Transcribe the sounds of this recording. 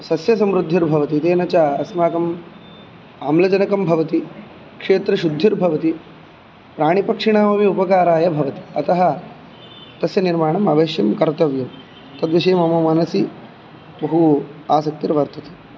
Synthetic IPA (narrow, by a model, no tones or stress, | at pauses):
sɐsjɐsɐmɾud̪ʱːiɾbʱɐʋɐt̪it̪eːnɐt͡ʃaːɐsmaːkɐm | aːmlɐd͡ʒɐnɐkɐmbʱɐʋɐt̪i | kʂeːt̪ɾɐʃud̪ʱːiɾbʱɐʋɐt̪i | pɾaːɳ̃ipɐkʂiɳaːmɐmiupɐkaːɾaːjɐbʱɐʋɐt̪i̥ɐt̪ɐɦɐ | t̪ɐsjɐniɾmaːɳɐmɐʋeːʃjɐmkɐɾt̪ɐʋjuː | t̪ɐd̪ʋiʃɐjmɐmɐmɐnɐsi | bɐɦuaːsɐk̚t̪iɾʋɐɾt̪ʰɐt̪e